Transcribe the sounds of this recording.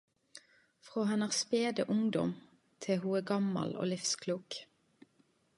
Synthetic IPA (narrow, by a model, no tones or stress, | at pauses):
fʁoːɦɑnɑːʁspeːd̪əʔʊŋd̪ɔ̰m | t̪ʰɪhuːæːɡɑmɑ̰lo̰ːlɪfskʰluːk